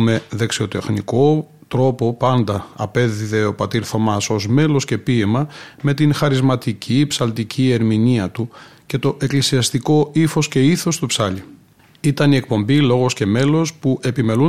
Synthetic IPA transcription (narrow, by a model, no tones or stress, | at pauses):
me̞ðe̞ksio̞t̪e̞xnḭko̞ | t̪ɾo̞po̞pɐnd̪ɐɐpe̞ðiðe̞o̞pɐt̪iɾθo̞mɐso̞zme̞lo̞sce̞piemɐme̞t̪inxɐɾizmɐt̪icʰipsɐlt̪icʰie̞ɾminiɐt̪uce̞t̪o̞ʔe̞klisiɐst̪iko̞ifo̞sce̞iθo̞st̪upsɐʎi | it̪ɐnie̞k̚po̞mbilo̞ɣo̞sce̞me̞lo̞spuʔe̞pime̞lu